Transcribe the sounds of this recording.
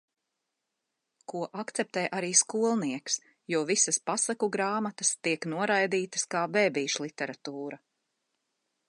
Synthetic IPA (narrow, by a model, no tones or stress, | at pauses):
kuɔʔakt̪sɛp̚t̪ɛːjʔaɾiːskuɔlˠniɛks | juɔvisɐspasakuɡɾaːmat̪ɐst̪iɛknuɔɾajd̪iːt̪ɐ̥skaːbeːbiːʃlˠit̪ɛɾat̪uːɾɐ